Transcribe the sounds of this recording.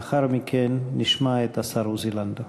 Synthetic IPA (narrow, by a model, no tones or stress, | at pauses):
aχaɾmikʰenːiʃmaet̪asaɾuziland̪a